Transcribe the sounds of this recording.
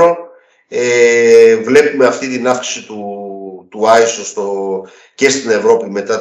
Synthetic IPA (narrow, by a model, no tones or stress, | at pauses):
o | evle̞pume̞ɐft̪it̪inɐfksi̥sit̪ut̪uɐisost̪o | ce̞st̪ine̞vɾo̞pime̞t̪ɐ